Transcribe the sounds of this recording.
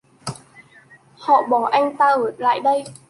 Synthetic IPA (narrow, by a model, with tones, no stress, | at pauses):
hɔ̰˧˨ɓɔ˨˩ʔa˧jŋ̟t̪aː˧ʔəː˨˩t̚la̰ː˧˨jɗə˧j